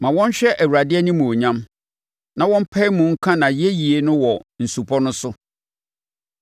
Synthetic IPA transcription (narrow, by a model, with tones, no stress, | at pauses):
mã˨wɔ̃˦n˦ɕᶣɛ˦ʔæ˨wu˨ɾa˨dɪ˦ɛ˦nĩ˦mũ˨o˨ɲã˦m | nã˨wɔ̃˦m̩˦pʰɛ˦i˦mũ˨ŋ̩˦kʰã˦nã˨je˦ji˨e˦nʊ̃˦wɔ˨n̩˨su˨pʰɔ˦nʊ̃˦sʊ˦